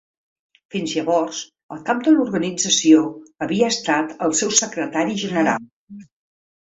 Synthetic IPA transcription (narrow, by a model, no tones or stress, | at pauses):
finzʎəβɔrs | ə̰lˠkap̚d̪əluɾɣənid͡zəsioəβiəːst̪at̪əlˠsɛwsəkɾət̪aɾiʒənəɾalˠ